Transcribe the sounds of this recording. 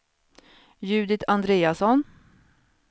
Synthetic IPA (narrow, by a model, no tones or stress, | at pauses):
jʉ̟ːd̪ɪt̪ʰand̪ɾeːasɔn